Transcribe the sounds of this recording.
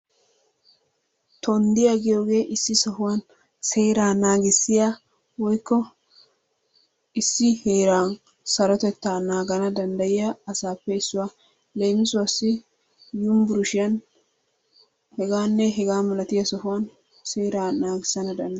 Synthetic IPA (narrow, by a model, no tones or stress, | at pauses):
t̪ʰɔnd̪ɪjɐɡɪjoːɡe̞ːʔɪsːɪsɔhʊwɐn | se̞ːɾaːnaːɡɪsːɪja | wɔjkːɔ | ɪsːɪheːɾaːn | sɐɾɔt̪ɛt̪ːaːnaːɡɐnɐd̪ɐnd̪ɐjɪjaɐsaːpːɛɪsːʊwaː | lejmɪsʊwɐsːɪ | jʊmbʊɾʊʃɪjɐn | hɛɡaːnːɛɦɛɡaːmɐlɐt̪ɪjɐsɔhʊwɐn | se̞ːɾaːnaːɡɪsːɐnɐd̪ɐnd̪ɐ